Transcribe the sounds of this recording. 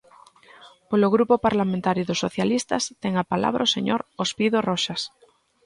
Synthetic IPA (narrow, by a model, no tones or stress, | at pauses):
poloɣɾupopaɾlamẽnt̪aɾjʊðʊsːoθjalist̪ast̪ɛŋapala̰β̞ɾʔa̰osḛɲoɾospiðorɔʃas